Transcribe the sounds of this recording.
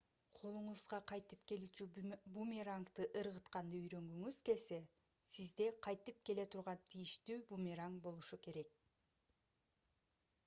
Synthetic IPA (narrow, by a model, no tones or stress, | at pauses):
qʰo̞lˠuɴuzʁɑqʰɑjt̪ɯpke̞lyt͡ʃybumʲiɾaŋkt̪ɯʔɯɾʁɯt̪qɑnd̪ɯyjɾø̞ŋɡyŋyz̥ke̞lʲse̞ | sizd̪e̞qʰɑjt̪ɯp̚ke̞le̞t̪ʰuɾʁɑnt̪ʰijiʃt̪yːbumʲiɾaŋkbo̞lˠuʃuke̞ɾe̞k̚